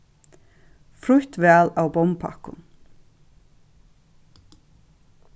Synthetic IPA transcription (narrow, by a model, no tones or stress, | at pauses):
fɾʊht̪ʋɛːlawbɔmpʰa̰kʊ̰n